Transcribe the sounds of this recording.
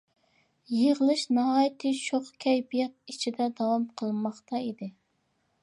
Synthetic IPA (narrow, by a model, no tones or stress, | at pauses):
jeʁəlˠɨʃnɑɦɑjt̪ʰɪt͡ʃʰoχkʲʰɛjbijɛt̪̚it͡ʃʰid̪ɛd̪ɑwɑmqʰəlˠmɑχt̪ɑid̪ɪ